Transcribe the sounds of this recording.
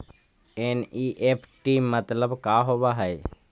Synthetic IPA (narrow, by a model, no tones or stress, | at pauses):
eːniːʔeːpʰʈiːmːət̪ləbkaːɦoːʋaɦɛe